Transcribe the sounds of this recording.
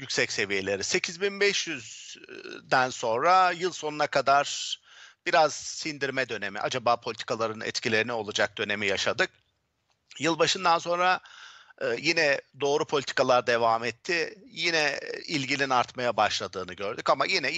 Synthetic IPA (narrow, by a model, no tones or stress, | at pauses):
jycʲsɛcse̞vije̞lʲe̞ɾise̞cʰizbinbɛʃjyz | d̪ænso̞nɾajɯlˠso̞nunakʰad̪aɾ̥ | b̥iɾaz̥sind̪iɾmɛd̪ø̞ne̞mḭʔa̰d͡ʒabaːpʰo̞lʲit̪ʰi̥kʰalˠaɾɯnɛ̰t̪cʰilʲe̞ɾinio̞lˠad͡ʒak̚d̪ø̞ne̞mijaʃad̪ɯk̚ | jɯlˠbaʃɯnd̪anso̞nɾaː | jinɛd̪o̞ːɾupʰo̞lʲit̪ʰi̥kalˠaɾd̪e̞vaːmɛt̪ʰːɪjinɛilʲɟilʲinaɾt̪majabaʃlˠad̪ɯːnɯɟø̞ɾd̪ycamajinɛ